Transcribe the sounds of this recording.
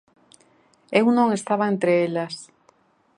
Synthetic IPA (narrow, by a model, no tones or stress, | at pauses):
ewnõŋest̪aβaent̪ɾeelas